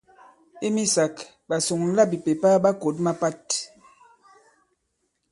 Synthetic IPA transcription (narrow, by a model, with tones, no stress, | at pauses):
i˦mi˦sa˨k | ɓa˨so˨ŋ˦la˦bi˨pe˨pa˦ɓa˦ko˨˦t̬̚ma˦pa˦t